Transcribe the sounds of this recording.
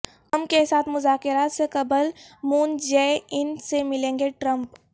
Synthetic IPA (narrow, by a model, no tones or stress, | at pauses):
hɐmkesaːt̪ʰmʊzaːkɪɾaːt̪sekɐbəlmuːnd͡ʒɛːɪnsemɪlẽːŋɡeʈɾə̃mp